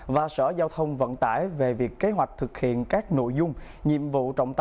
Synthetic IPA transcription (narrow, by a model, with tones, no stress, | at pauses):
vaː˨˩sə̰ː˧˩zaː˧wt̪ʰə˧wŋ͡mvə̰˧˨nt̪a̰ː˧˩jve˨˩vi˨˩əkːe˨˦ɦwa˨˩jk̚t̪ʰɨ˨˩k̚hḭ˧˨ənkaː˦˥k̚no̰˧˨jzʊ˧ŋ͡m | ɲḭ˧˨əmvṵ˧˨t͡ɕɔ̰˧˨wŋ͡mt̪